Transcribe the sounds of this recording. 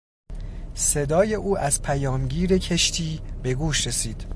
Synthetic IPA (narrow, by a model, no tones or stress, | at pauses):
se̞d̪ɒːje̞ʔuːʔæzpʰæjɒːmɟiːɾe̞cʰeʃt̪ʰiːbe̞ɡuːʃɾe̞siːd̪̥